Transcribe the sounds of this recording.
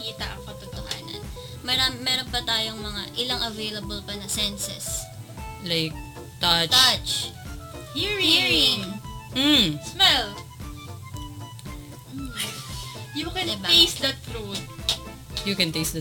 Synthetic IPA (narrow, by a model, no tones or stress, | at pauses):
iːt̪ɐʔɐŋkɐt̪ʊt̪oha̰ːnɐ̰n | mɐɾammɛːɾonpɐt̪aːjoŋmɐŋaʔɪlɐŋʔɐvejlɐbɐlpɐnɐsɛnsɛ̰s | lajk̚ | t̪ɐt͡ʃat͡ʃ | hiɹiɹɪ | m̩smɛl | m̩ | jukɛnɛbaejsd̪ɐt̪ɾut̪̚ | jukɛ̃nt̪ejsd̪ɐ